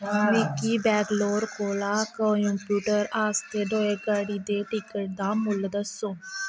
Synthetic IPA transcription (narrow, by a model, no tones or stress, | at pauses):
mɪkiːbɛːɡloːɾkoːlaːkõjompjuːʈəɾaːst̪eːd̪oːeɡaːɽiːd̪eːʈɪkəʈ̚d̪aːmʊld̪əsõː